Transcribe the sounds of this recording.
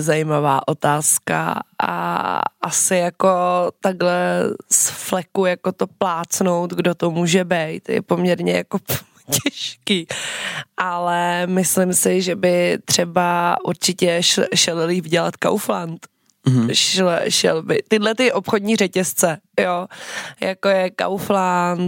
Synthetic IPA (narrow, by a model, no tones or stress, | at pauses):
zajimava̰ːʔo̞t̪aːska̰ʔa̰ʔa̰sɪjakot̪aɡlɛsflɛkujakot̪oplaːt͡sno̞wt̪ɡdot̪omuːʒɛbɛjt̪jɛ̰po̞mɲɛɾɲɛjako | cɛʃkiːʔalɛmɪslɪmsɪʒɛbɪt̪r̝̥ɛbaʔuɾt͡ʃɪcɛʃʃɛlliːvɟɛla̰t̪ka̰wflant̪ | ʃlʃɛ̰lbɪt̪ɪdlɛt̪ɪʔo̞pxodɲiːrɛcɛst͡sɛjojako̞jɛka̰wflant̪